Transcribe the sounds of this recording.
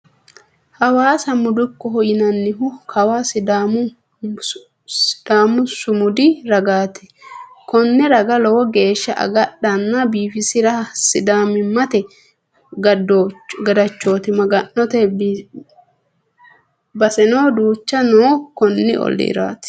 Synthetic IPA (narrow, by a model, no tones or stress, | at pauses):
hɐwaːsɐmʊd̪ʊkːɔɦɔjɪnɐnːɪɦʊkʰɐwasd̪am | sɪd̪̥aːmʊsʊmʊd̪ɪɾɐɡaːt̪ɛ̥ | kɔnːɛɾɐɡɐlɔwɔɡe̞ːʃːɐʔɐ̰ɡɐɗɐnːɐbiːfɪsɪɾɐsɪd̪aːmɪmːɐt̪ɛ | ɡɐdoɡɐd̪ɐt͡ʃːo̞ːt̪ɪmɐɡɐnːɔt̪ɛ | bɐsɛnoːd̪uːt͡ʃːɐnoːkɔnːɪ̰ʔɔ̰lːḛːɾa̰ːt̪ɪ̥